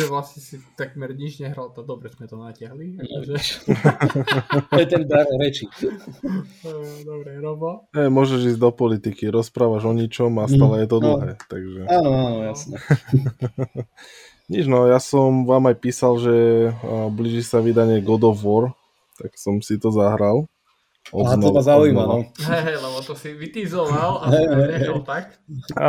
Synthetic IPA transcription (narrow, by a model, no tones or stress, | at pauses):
ʒɛʋlasɲɛsit̪aɡmɛɾɲid͡ʒɲɛɦɾalt̪ad̪ɔbɾɛzmɛt̪ɔnacɪaɦliʒɛʃ | t̪ɔjɛt̪ɛnd̪aɾɾɛt͡ʃi | d̪ɔbɾɛɾɔbaɦɛjmʊɔʒɛʒiːzɟd̪ɔpɔlit̪ikiɾɔspɾaːʋaʒɔɲit͡ʃɔmast̪aːlɛjɛt̪ɔd̪lɦɛːt̪aɡʒɛaːnɔaːnɔjasnɛ | ɲid͡ʒnɔjasɔmʋaːmajpiːsalʒɛ | bliːʒisaʋid̪aɲɪɛɡɔd̪ɔvɔɾ | t̪aksɔmsit̪ɔzaɦɾal | ʔɔznɔazaujmanɔɦɛɦɛjlɛbɔt̪ɔsiʋit̪izɔlalaɦɛɔt̪ak